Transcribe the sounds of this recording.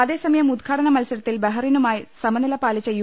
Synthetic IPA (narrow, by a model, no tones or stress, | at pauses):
ɐðe̞ːsɐmɐjɐmud̪̚ɡʰʱaːɽɐnɐmɐlsɐɾɐt̪ːilbɐɦɐrinumaːjisɐmɐnɐlɐpaːlit͡ɕːɐj